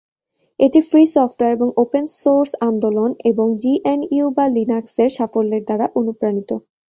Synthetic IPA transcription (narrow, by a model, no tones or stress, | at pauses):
eʈifɾisɔfʈoeɾeboŋopensoɾsand̪oloneboŋd͡ʑiʔeniubalinakseɾʃafolːeɾd̪aɾaʔonupɾanit̪o